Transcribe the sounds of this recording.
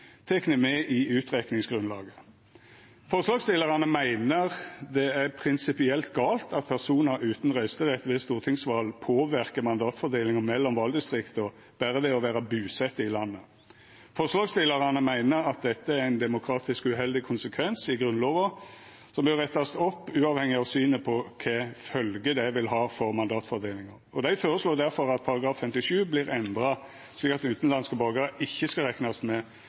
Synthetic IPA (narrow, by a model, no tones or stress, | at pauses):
t̪ʰɛknəmɛʔɪʉːt̪ʁɛknɪŋsɡʁʉnlɑ̰ːɡə | fɔʁʂlɑːɡst̪ɪləʁənəmæɪnəʁd̪ɛæʁpʰʁɪnsɪpɪɛlt̪ɡɑːlt̪ʰɑt̪̚pʰæʁsuːnəɾʉːt̪n̩ʁœʏst̪əʁɛt̪ʋɛst̪uːʁt̪ʰɪŋsʋɑːlpʰoːʋɪʁkəmɑnd̪ɑːt̪fɔʁd̪eːlɪŋəmɛlːɔmʋɑld̪ɪst̪ʁɪkt̪ɔ | b̥æːʁəʋɛɔʋæːʁɑbʉːsɛt̪ːəɪlɑnːə | fɔʁslɑːɡsd̪eːləʁənəmæɪnəɾɑt̪̚d̪ɛt̪ːəæɾæɪnd̪ɛmʊkʰɾɑːt̪ɪskʉɦɛld̪ɪkʰʊnsəkʰʋɛnsɪɡɾʁʉnloːʋə | sɔmbœʁɛt̪ːɑst̪ɔpːʉːɑːʋhɛŋɪɑʋsyːnəpʰɔkʰɛfœlɡəd̪ɛʋɪlɦɑːfɔʁmɑnd̪ɑːt̪fɔʁd̪eːlɪŋəʁɔd̪æɪfoːɾəsloːd̪æɾfɔɾɑt̪̚pʰɑɾɑɡɾɑːfːɛmt̪ɪʂʉːblɪɾɛnd̪ʁɑ | ʂlikːɑt̪ʉːt̪n̩lɑnskəbɑɡɑɾɪçːəskɑʁɛknɑst̪mɛ